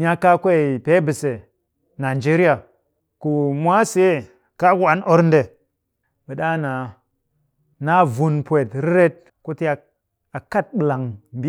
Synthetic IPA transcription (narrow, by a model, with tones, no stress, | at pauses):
ɲʲ˦a˦ka˦kʷe˦˨pe˦bɨ˨se˨ | na˨d͡ʒe˦ɾi˦a˨ | ku˨mʷa˦se˦˨ | ka˦ɡwa˨˦nʔo˦ɾnde˨ | bə˨ɗa˦na˨ | na˦vu˨npʷe˨tɾi˦ɾe˦t̚ | ku˦ti˦a˨ | a˨ka˦t̚bɨ˨la˨ŋmbi˦